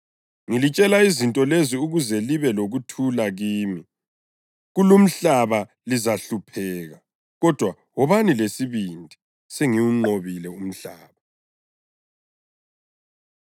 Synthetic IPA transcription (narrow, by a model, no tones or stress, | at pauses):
ŋilit͡ʃʼɛlaizintʼɔleziuɣuzɛliβɛloɣutʰulaɣiːmi | ɣulum̩ɬaβa | lizaɬupʰɛːɣa | ɣɔd̥ʱwa | wɔβanilesiβindʱi | seŋiwuŋ͡ǃoβilɛum̩ɬaːβa